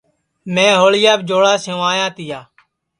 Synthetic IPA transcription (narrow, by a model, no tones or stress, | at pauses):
mẽːɦoːɭɪjaːbd͡ʒoːɽaːsõːaːjãːt̪ɪjaː